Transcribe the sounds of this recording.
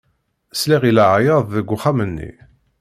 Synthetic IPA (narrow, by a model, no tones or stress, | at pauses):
sliʁilaʕajɑðˤðəɡʷːʊχamənːḭ